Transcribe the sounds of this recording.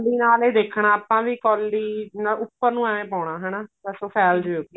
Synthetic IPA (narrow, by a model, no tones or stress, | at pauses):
lːiːnaːleːd̪eːkʰɳaːaːpãːʋiːkɔːlːiːnaʊpːəɾnũːɛːẽːpaːʊɳ̃aːɦɛːnaːtɛsoːpʰɛːld͡ʒoːɡ